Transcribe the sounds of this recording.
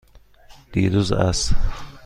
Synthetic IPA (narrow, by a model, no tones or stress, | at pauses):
d̪̥iːɾuzæ̰s